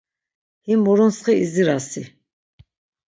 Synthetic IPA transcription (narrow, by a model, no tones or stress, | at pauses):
himɔɾɔnsχiiziɾasi